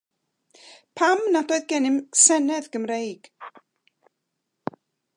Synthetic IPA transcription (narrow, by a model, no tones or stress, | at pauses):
pʰamnadoɨðɡɛnɪmsɛnɛðɡ̥əmrejɡ̥